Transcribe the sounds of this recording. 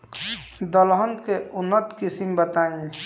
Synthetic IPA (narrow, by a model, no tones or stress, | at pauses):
d̪əlɦənkeunːət̪kisimbət̪aĩ